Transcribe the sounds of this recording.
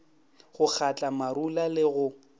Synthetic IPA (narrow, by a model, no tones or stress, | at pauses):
ɣʊk͡xʰat͡ɬʼamaɾulalɪɣʊ